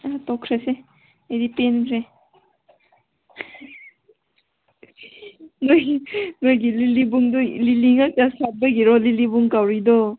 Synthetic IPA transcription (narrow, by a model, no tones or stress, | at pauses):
atɔkʰɾese | ajdipenpʰɾe | nojinojɡililibuŋdɔliliŋatasat̚baɡiɾɔlilibuŋkawɾidɔ